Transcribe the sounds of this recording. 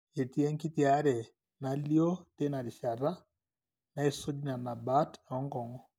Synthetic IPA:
e˨ti˦ɛ˦ŋki˦ti˦a˨˦ɾɛ˨ | na˨li˦o˦te˦na˨ɾi˨ʃa˨ɾa˦ | na˨˦e˨so˦di˦na˨na˨ba˦tɔ˦ŋɡɔ˨ŋɔ˦

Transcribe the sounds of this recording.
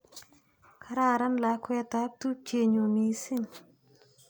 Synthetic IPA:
kʰa˦ɾa˧˨ɾa˦nla˨˦kwɛ˧t̪a˨˦p̚t̪u˦t͡ʃe˧˨ɲo˨mi˨˦si˦ɲ

